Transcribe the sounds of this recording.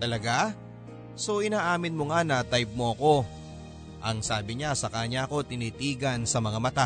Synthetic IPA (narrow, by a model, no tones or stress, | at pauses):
t̪ɐlɐɡa | so̞ʔɪnaːʔaːmɪnmo̞ŋanɐt̪ajp̚moʔɐko̞ | ʔɐŋsaːbɪɲasɐkaɲaʔɐko̞t̪ɪniːt̪iːɡɐnsɐmɐŋamɐt̪a